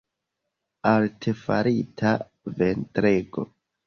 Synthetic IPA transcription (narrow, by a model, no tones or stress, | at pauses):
alte̞fa̰ɾitʰa | ve̞ntɾeɡo̞̰